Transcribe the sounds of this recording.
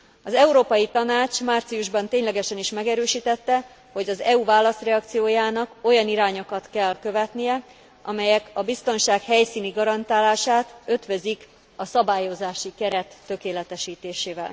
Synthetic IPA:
ɒzɛuɾoːpɒjit̪ɒnaːt͡ʃmaːrt̪sijuʒbɒnt̪eːɲlɛɡɛʃɛniʃmɛɡɛɾøːʃiːt̪ɛt̪ːɛ | ho̞ɟɒzɛuvaːlːɒst̪rɛɒk̚t̪sijoːjaːnɒko̞jɒniɾaːɲo̞kɒt̪kɛlkø̞vɛt̪nijɛ | ʔɒ̰mɛjɛkɒbist̪o̞nʃaːkhɛjsiːniɡɒɾɒnt̪aːlaːʃaːt̪ø̞t̪ʋøzik | ɒsɒbaːjo̞zaːʃikɛɾɛt̪ːø̞keːlɛt̪ɛʃiːt̪eːʃeːvɛ̰l

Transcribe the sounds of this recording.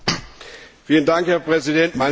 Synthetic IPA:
fiːləndaŋkhɛɐpʁ̥ɛzidɛntmaɪn

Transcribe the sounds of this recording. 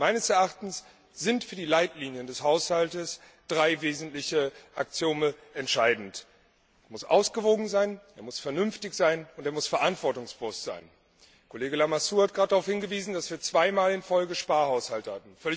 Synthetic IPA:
maɪnəsɛɐʔaχtn̩s | z̥ɪntfyːɐdiːlaɪtliːnjəndɛshaʊshaltəs | d̥ʁaɪveːzn̩tlɪçəʔakt͡sjoːnənɛntʃaɪdn̩t | ɐmʊsʔa̰ʊsɡ̥əvoːɡŋ̩zaɪnʔeːɐmʊsfɛɐnʏnftɪçz̥aɪnʊnteːɐmʊsfɛɐʔantv̥ɔɐtʊŋsb̥vʊsz̥a̰ɪn | kʰoleːɡəlamasuːhat̚dɡ̥ʁaːtdaʁaʊfhɪnɡəviːzn̩d̥asv̥iːɐt͡sv̥aɪmaːlɪnfɔlɡəʃpaːɐhaʊshaltəhatn̩fœlɪ

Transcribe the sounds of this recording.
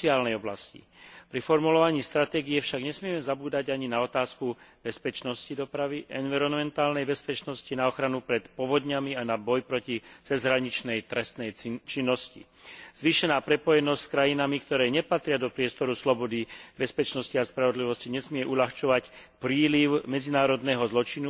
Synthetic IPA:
iaːlnɛjɔblascḭ | pɾifɔɾmulɔʋaɲiːst̪ɾat̪ɛːɡiɛfʃaɡɲɛsmɪɛmɛzabuːd̪aɟaɲinaɔt̪aːskub̥ɛspɛt͡ʃnɔscid̪ɔpɾaʋiʔɛ̰nʋiɾɔnmɛnt̪aːlnɛjbɛspɛt͡ʃnɔscinaɔxɾanupɾɛt̪pɔʋɔd̪ɲamianabɔjpɾɔcit͡sɛzɦɾaɲit͡ʃnɛjt̪ɾɛst̪nɛjt͡ʃinːɔscḭ | z̥ʋiːʃɛnaːpɾɛpɔjɛnɔscskɾajinamikt̪ɔɾɛːɲɛpat̪ɾɪad̪ɔpɾɪɛst̪ɔɾuslɔbɔd̪ibɛspɛt͡ʃnɔsciaspɾaʋɔd̪liʋɔsciɲɛsmɪɛʔuʎaxt͡ʃɔʋac | pɾiːliʊmɛd͡zinaːɾɔd̪nɛːɦɔzlɔt͡ʃinu

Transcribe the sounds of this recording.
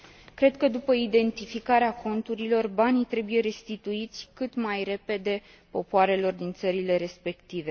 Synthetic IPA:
kɾe̞d̪kəd̪upəid̪e̞nt̪ifikaɾeako̞nt̪uɾilo̞rbanit̪ɾe̞buje̞ɾe̞st̪it̪uit̪sʲkɨt̪majre̞pe̞d̪e̞ | po̞poaɾe̞lo̞rd̪int̪səɾile̞ɾe̞spe̞kt̪ive̞

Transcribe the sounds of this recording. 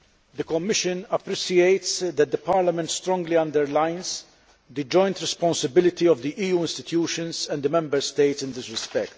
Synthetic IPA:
d̪əkɔmːɪʃə̃nɐpɾisieɪt̪sd̪ɛt̪̚d̪əpaːɾlɐmɛnt̪st̪ɾɔ̃ŋɡliɐ̃nd̪ɛɾlãɪnz | d̪əd͡ʒɔ̃j̃nt̪ɾɛspɔ̃nsəbɪlɪt̪iɔvd̪iʔiːjuːɪ̃nst̪ɪt̪juːʃə̃nzɛ̃nd̪əmɛ̃mbəɾst̪eɪt̪sɪ̃nd̪ɪsɾɪspɛkt̪

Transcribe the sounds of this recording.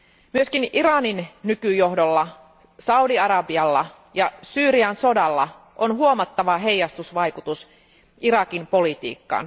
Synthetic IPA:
myøskiniɾɑninːykyjoɦdolːɑ | sɑudiɑɾɑbiɑlːɑ̰ | jɑsyːɾiɑnso̞dɑlːɑ̰ | ʔonɦuo̞mɑt̪ːɑʋɑɦe̞jːɑst̪usʋɑjkut̪us | ʔiɾɑkimpo̞lit̪ḭːkːɑ̰ːn

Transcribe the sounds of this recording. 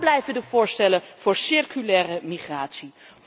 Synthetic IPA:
blɛjvəndəv̥ʊːɹstɛləv̥ʊːɹsɪrkylɛːrəmiχraːtsi

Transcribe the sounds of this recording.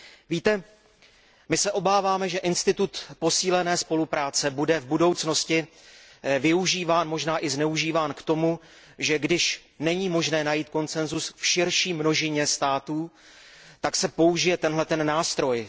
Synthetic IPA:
viːt̪ɛ | mɪsɛʔo̞baːvaːmɛʒɛʔɪnst̪ɪt̪ut̪po̞siːlɛnɛːspo̞lupɾaːt͡sɛbudɛvbudo̞wt͡sno̞scɪ | vɪuʒiːvaːnmo̞ʒnaːʔɪznɛuʒiːvaːnkt̪o̞mu | ʒɛɡdɪʃ | nɛɲiːmo̞ʒnɛːnajiːt̪̚ko̞nt͡sɛnzusfʃɪɾʃiːmno̞ʒɪɲɛst̪aːt̪uː | t̪aksɛpo̞uʒɪjɛt̪ɛnɦlɛt̪ɛnːaːst̪ɾo̞j

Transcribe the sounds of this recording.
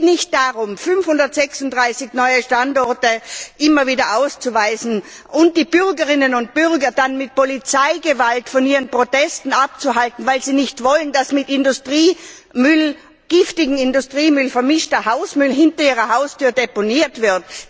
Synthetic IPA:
nɪçt̚d̥aʁʊmfʏnfhʊndɐtz̥ɛksʊntd̥ʁaɪsɪçnɔʏəʃtantɔɐtəʔɪmɐviːdɐʔaʊst͡suvaɪsn̩ | ʔʊnt̚d̥iːb̥ʏʁɡəʁɪnənʊnt̚b̥ʏʁɡɐdanmɪt̚polit͡saɪɡəvaltfɔniːʁənpʁ̥otɛstn̩ap̚t͡suɦaltn̩vaɪlziːnɪçtv̥ɔləndasmɪtɪndʊstʁ̥iː | mʏl | ɡ̥ɪftɪɡŋ̩ɪndʊstʁ̥iːmʏlfɛɐmɪʃtɐhaʊsmʏlɦɪntɐiːʁɐhaʊstyːɐdeponiːɐtv̥ɪɐt

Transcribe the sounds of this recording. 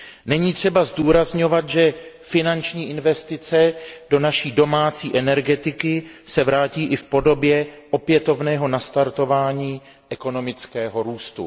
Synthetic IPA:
nɛɲiːt̪r̝̥ɛbazduːɾazɲo̞vat̪ʒɛ | fɪnant͡ʃɲiːʔɪnvɛst̪ɪt͡sɛd̥o̞naʃiːdo̞maːt͡siːʔɛnɛɾɡɛt̪ɪkɪsɛvɾaːciːʔɪfpo̞do̞bjɛʔo̞pjɛt̪o̞vnɛːɦo̞nast̪aɾt̪o̞vaːɲiː | ʔɛko̞no̞mɪt͡skɛːɦo̞ɾuːst̪ṵ

